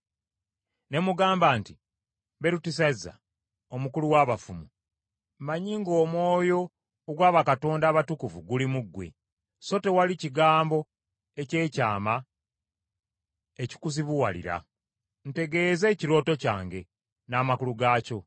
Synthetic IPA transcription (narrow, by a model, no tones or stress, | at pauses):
ne̞muɡaːmbaːnti | βe̞ɾutis̬azːa̰ | o̞mukuluwaːβafumu | maɲiŋɡo̞ːmwo̞ːjo̞ː | ɡwaːβakato̞ːndaːβatukuvuɡulimuɡːwe̞̰ | so̞te̞waliciɡaːmbo̞ | e̞ce̞ːcaːma | e̞ci̥kusiβuwalḭɾa̰ | n̩te̞ɡe̞ːze̞ːciɾo̞ːto̞ca̰ːŋɡe̞ | naːmakuluɡaːco̞